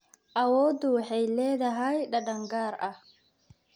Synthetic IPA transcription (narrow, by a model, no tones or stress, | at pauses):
ʔɐwɔːd̪uħɛjlɛːd̪ɐɦɐjɗɐɗɐŋɡaːɾɐ